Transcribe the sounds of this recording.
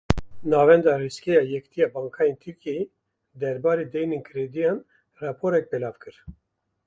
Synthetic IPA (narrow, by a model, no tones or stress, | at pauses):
nɑːvɛnd̪ɑriskejɑjɛkt̪ʰijɑbɑːŋkʰɑjint̪ʰɨɾkʰej | d̪ɛɾbɑːɾid̪ɛjniŋkʰɾed̪ijɑn | rɑpʰoɾɛk̚bɛlɑːvkʰɨɾ